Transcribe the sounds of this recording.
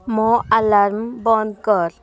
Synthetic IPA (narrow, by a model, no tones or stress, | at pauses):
mɔ̃ʔalaɾmbɔ̃nd̪̚kəɾ